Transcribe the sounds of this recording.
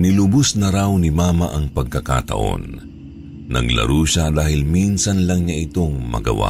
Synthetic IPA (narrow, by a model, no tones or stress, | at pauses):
nɪlʊbʊsnɐɾawnɪmaːmaʔɐŋpɐɡ̚kɐka̰t̪ɐ̰ʔo̞̰nː | ɐ̰ɡlɐ̰ɾuːʃad̪aːhɪlminsɐnlɐŋɲaʔɪt̪oŋmɐ̰ɡɐ̰wa̰